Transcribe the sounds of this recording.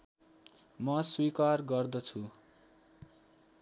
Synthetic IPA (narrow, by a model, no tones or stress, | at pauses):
mʌswikarɡʌrd̪ʌt͡sʰu